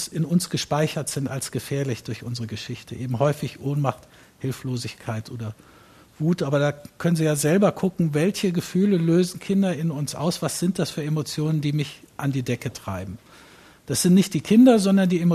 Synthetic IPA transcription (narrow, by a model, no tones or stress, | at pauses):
ɪnʊnsɡ̥əʃpaɪçɐtz̥ɪntalsɡ̥əfɛːɐlɪçd̥ʊɐçʔʊnzəʁəɡəʃɪçtʰəʔeːbm̩ɦɔʏfɪçʔoːnmaχt | hɪlfloːzɪçkʰaɪtʔoːdɐ | v̥uːtʔaːbɐdaːkʰœnənviːjaːzɛlbɐkʰʊkŋ̩vɛlçəɡəfyːləløːzn̩kʰɪndɐɪnʊnsʔa̰ʊsv̥asz̥ɪnt̚d̥asfyːɐemot͡sjoːnəndiːmɪç | ʔandiːdɛkətʁ̥aɪbm̩ | d̥asz̥ɪntnɪçt̚d̥iːkʰɪndɐzɔndɐndiːemo